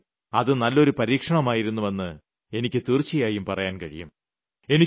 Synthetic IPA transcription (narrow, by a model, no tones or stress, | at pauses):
ɐðɨnɐlːo̞ɾupɐɾiːkʂɐɳɐmaːjiɾunːuʋɐnːɨ | e̞nikʲːɨt̪irt͡ɕːijaːjumpɐrɐjaːnkɐɻḭjṵm | e̞ni